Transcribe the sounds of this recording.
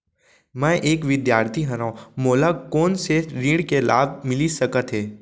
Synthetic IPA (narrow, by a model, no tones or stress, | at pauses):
mɛ̃ʔeːkʋɪd̪jaːɾt̪ʰiɦɐɾãmoːlakoːnseɾiːɽkelaːb̚ʱmɪlisəkət̪ɦeː